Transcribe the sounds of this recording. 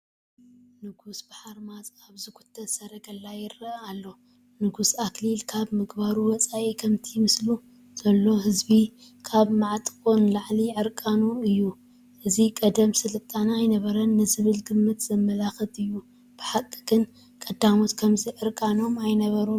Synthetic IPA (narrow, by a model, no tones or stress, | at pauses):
nɨɡusbaħaɾmazʼaβzɨkʰu̥t̪ʰːɐt̪sɐɾɐɡɐlːajɪɾɐalːo̞ | nɨɡusaklilkʰaβmɨɡbaɾuwɔt͡sʼaʔikʰɐmt̪ʰimɨslu | z̥ɐlːo̞hɨzbi | kʰaβmaʕt̪ʼkʼonlaʕliʕɨɾkʼanuɨjːu | ʔɨzikʼɐd̪ɐmsɨlɨt̪ʼanajnɐβɐɾɐnːɨzɨβɨlɡɨmːɨt̪z̥ɐmːɐlaxɨt̪ʼɨjːu | b̥ɨħakʼːiɡɨn | kʼɐd̪amot̪kʰɐmziʕɨɾkʼano̞majnɐβɐɾu